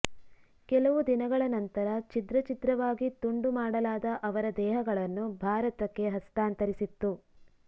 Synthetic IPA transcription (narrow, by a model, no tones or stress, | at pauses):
kɛlɐʋud̪inɐɡɐɭɐnɐnt̪ɐɾɐt͡ʃid̪ɾɐt͡ʃit̪ɾɐʋaːɡit̪uɳɖumaːɽɐlaːd̪ɐʔɐʋɐɾɐd̪ɛːɦɐɡɐɭɐnːubʱaːɾɐt̪ɐkːe̞ɦɐst̪aːnt̪ɐɾisit̪ːu